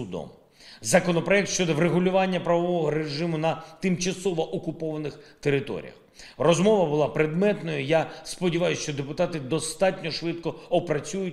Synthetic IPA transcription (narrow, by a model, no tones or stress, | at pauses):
ʊd̪ɔ̰m | zɐkɔnɔpɾɔjɛk̚t̪ʃt͡ʃɔd̪ɔʋɾeɦʊlʲʊʋɑnʲːɐpɾɐʋɔʋɔɦɔɾeʐɪmʊnɐt̪ɪmt͡ʃɐsɔʋɔʔɔkʊpɔʋɐnɪxt̪eɾɪt̪ɔ̰ɾʲḭjɐ̰x | rɔzmɔʋɐbʊlˠɑpɾed̪mɛt̪nɔjʊjaspɔdʲiʋɑjʊsʲt͡ʃɔd̪epʊt̪ɑt̪ɪd̪ɔst̪ɑtʲnʲɔʃʋɪt̪kɔɔpɾɐt͡sʲujʊt̚ʲ